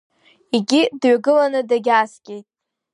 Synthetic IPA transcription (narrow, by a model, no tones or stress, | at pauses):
iɡʲidɥaɡɨlanɨdaɡʲaːskʲʼejtʼ